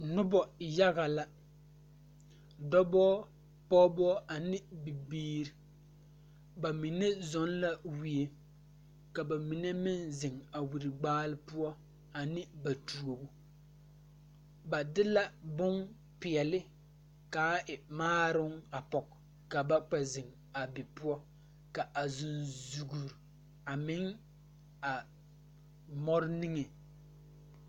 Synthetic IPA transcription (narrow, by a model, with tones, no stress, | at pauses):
nʊ˦bɔ˨ja˦ɣa˨la˦ | dɔ˦bɔː˦ | pɔ˦bɔ˦a˨nɪ˦bɪ˨biː˦ɾi˨ | ba˨mi˨ne˦zɔ˦nla˦wi˦e˦ | ka˨ba˨mi˨ne˦mɪ˦nzɪ˨ŋa˨wi˨ɾɪ˨ɡ͡baː˦lɪ˦pʊ˦ɔ˦ | a˨nɪ˦ba˨tu˨o˨bu˦ | ba˨dɪ˦la˦bʊ˦ŋ | pɪ˨ɛ˨lɪ˦ | kaː˨˦ʔɪ˨maː˦ɾʊ˦ŋa˨pɔ˨k | ka˨ba˦k͡pɛ˨zɪ˨ŋ | a˨bɪ˨pʊ˦ɔ˦ | ka˨ʔa˨zʊ˨nzu˨ɡu˨ɾ | a˨mɪ˦ŋ | a˨ | mɔ˦ɾɪ˦nɪ˦ŋe˨